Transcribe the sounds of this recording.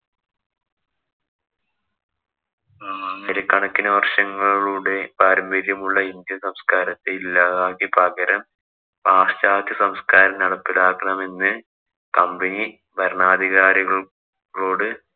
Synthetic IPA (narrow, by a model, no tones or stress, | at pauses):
eɾɐkːɐɳɐkːinɐʋɐrʂɐŋːɐɭɭuːɽe̞paːɾɐmbɐɾjɐmuɭːɐind̪jɐsɐmskaːɾɐt̪ːeilːaːðaːkipɐɣɐɾɐm | paːʂt͡ɕaːt̪ːɐsɐmskaːɾɐmnɐɽɐpːilaːkːɐɳɐme̞nːɨ | kɐmbɐni | bʱɐɾɳaːd̪ʱiɣaːɾiɣɐɭ | ɭoːɽɨ